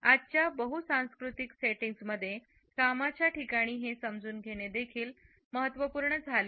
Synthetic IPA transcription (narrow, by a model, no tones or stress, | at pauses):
ad͡ʑt͡ɕjabəɦut̪sãw̃skɾut̪ikseʈiŋɡsməd̪ʱːje | kamat͡ɕjaʈikaɽ̃iːɦesəmd͡zuːnɡʱeɽ̃ed̪ekʰiːl | məɦət̪ʋəpuːɾɳəd͡zʱaleː